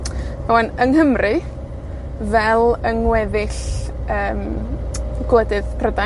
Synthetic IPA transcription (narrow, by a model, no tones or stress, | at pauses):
mawanəŋhəmrɨ | vɛlˠəŋwɛðɪɬəːm | ɡ̥lədɨðpʰrəda